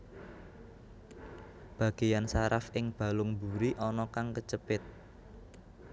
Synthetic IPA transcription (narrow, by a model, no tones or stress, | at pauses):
b̥ä̤ɡ̥e̤jansaɾafɪŋb̥ä̤lʊŋbuɾiʔɔnɔkaŋkət͡ʃəpɪt̪̚